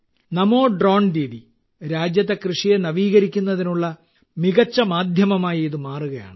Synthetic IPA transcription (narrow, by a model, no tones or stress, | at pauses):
nɐmo̞ːɖro̞ːɳd̪iːði | ɾaːd͡ʑjɐt̪ːe̞krɨʂijenɐʋiːɣɐɾikʲːunːɐðinuɭːɐ | miɣɐt͡ɕːɐmaːd̪ʱjɐmɐmaːjɐiðɨmaːruɣɐja̰ːɳɨ